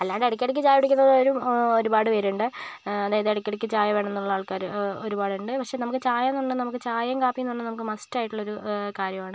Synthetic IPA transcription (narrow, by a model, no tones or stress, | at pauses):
ɐlːaːɽɨeɽɐkʲːɐeɽik̬ʲːɨt͡ɕaːjuɽikʲːunːɐðoɾuo̞ɾubaːɽɨʋɐɾuɳɖɨ | ɐðaːjɐðɨeɽikʲːeɽikʲːɨt͡ɕaːjɐʋe̞ːɳɐenːuɭːɐaːɭkaːɾoɾubaːɽɨɳɖɨpɐkʂe̞ːnɐmukːɨt͡ɕaːjɐnːuɳɖɨnɐmukːɨt͡ɕaːjɐŋkaːpːikːunːuɳɖɨnɐmuk̬ːɨmɐstaːjiʈːuɭːoɾukaːɾjɐmaːɳɨ